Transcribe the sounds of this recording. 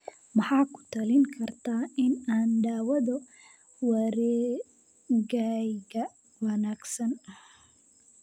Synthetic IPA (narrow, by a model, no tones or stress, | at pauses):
mɑħɑːkʰʊ̥t̪ʰɐlɪŋkʰɐrt̪ʰaːɪnaːnɖaːwɐðɔ | wɐɾɛː | ɣaɡɐ | wɐnaːɡsɐnɐh